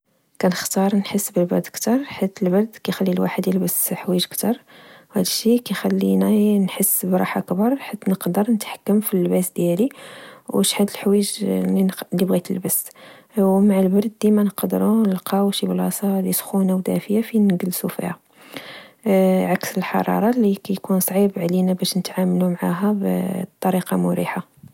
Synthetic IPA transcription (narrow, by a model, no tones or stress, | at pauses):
kænəxt̪ɑɾˤnħəsːbəlbɑɾd̪kt̪ɑɾˤħat̪ːəlbɑɾˤd̪kæjxælːilwa̰ħəd̪jəlbəsħwiʒəkt̪ɑɾˤwhæd̪əʃikæjxælːinænħəsːbɾˤɑ̰ħakbɑɾˤħat̪ːnəqd̪əɾˤnət̪ħḁkːəmfilːbæsd̪jæliwəʃħad̪əlħwiʒlilːibɣit̪əlbəs | wmaʕalbɑɾˤd̪d̪imænqd̪əɾuəlqʰɑwʃiblɑsˤɑlisxunæwd̪æ̰fəjafinɡəlːsufḭhæ | ʕaksəlħɑ̰ɾˤɑ̰ɾˤɑlikæjkunsˤʕibʕlinabæʃnət̪ʕamlumʕaɦæbt̪ˤːɑɾiqɑmʊɾiħa